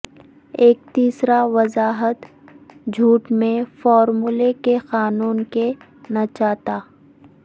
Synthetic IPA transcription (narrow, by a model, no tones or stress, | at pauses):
eːkt̪iːsɾaʋɐzaːɦət̪ | d͡ʒʱuːʈmẽfɔːɾmulekexaːnuːnke | nat͡ʃaːt̪aː